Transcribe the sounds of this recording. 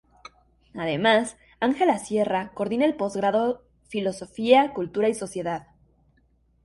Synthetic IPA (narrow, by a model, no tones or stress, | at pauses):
aðe̞mas | aŋxe̞lasje̞rako̞ɾðinaelpo̞zɣɾaðo̞ | filo̞so̞fiakult̪uɾaiso̞sje̞ðað